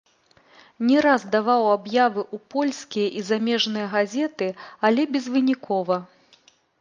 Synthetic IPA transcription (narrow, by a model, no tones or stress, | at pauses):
nʲɛɾazd̪avawabjavɨʔupɔlʲsʲkʲijɐʔizamʲɛʐnɨjɐɣazʲɛt̪ɨalʲɛbʲɛzvɨnʲikʰɔvɐ